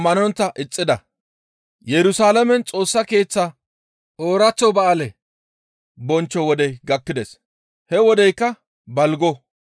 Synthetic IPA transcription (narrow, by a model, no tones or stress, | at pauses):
mɐnɔnt̪ːɐʔɪt͡sʼːɪd̪ɐ | jɛɾʊsaːlɐmɛnt͡sʼo̞ːsːɐke̞ːt͡sːɐ | ʔoːɾɐt͡sːɔbɐːlɛ | bɔnt͡ʃːɔwɔd̪ɛjɡɐkːɪd̪es | hɛwɔd̪ɛjkːɐ | bɐlɡɔ